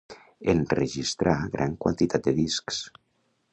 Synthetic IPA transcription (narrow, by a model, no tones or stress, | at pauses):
enrəʒist̪ɾʔaɣɾʔa̰ŋkwa̰nt̪it̪ʰat̪̚d̪əðisks